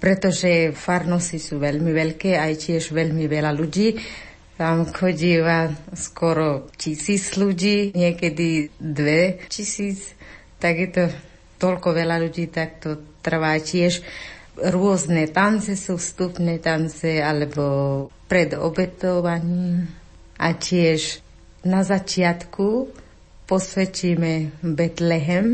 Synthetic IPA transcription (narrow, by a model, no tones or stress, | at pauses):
pɾɛt̪ɔʒɛfaɾnɔsisuːʋɛʎmiʋɛʎkɛːajcɪɛʒʋɛʎmiʋɛlaluɟiː | t̪amxɔɟiːʋaskɔɾɔcisiːd͡zluɟiːɲɪɛkɛd̪id̪ʋɛcisiːt͡s | t̪aɡjɛt̪ɔ | t̪ɔʎkɔʋɛlaluɟiːt̪ak̚t̪ɔt̪r̩ʋaːcɪɛʃ | ɾʊɔznɛt̪ant͡sɛsufst̪upnɛːt̪ant͡sɛalɛbɔpɾɛd̪ɔ̰bɛt̪ɔʋaɲiːm | ʔacɪɛʒ | nazat͡ʃɪat̪kʰu | pɔsʋɛt͡ʃiːmɛbɛt̪lɛɦɛm